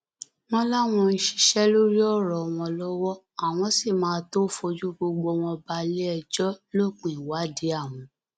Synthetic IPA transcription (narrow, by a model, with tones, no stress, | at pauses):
nɔ̃˦la˦w̃ɔ̃˧ni˧ʃi̥˧ʃɛ˦lo˦ɾi˦ɔ˦˨ɾɔ˨w̃ɔ̃˧lɔ˦wɔ˦ | a˦˨w̃ɔ̃˧si˦˨mãː˨˦to˦fo˧d͡ʒu˦ɡ͡bo˧ɡ͡bo˧w̃ɔ̃˧ba˧le˦ɛ˧d͡ʒɔ˦lo˦˨k͡pĩ˨wa˨˦di˨˦a˦˨wɔ̃˨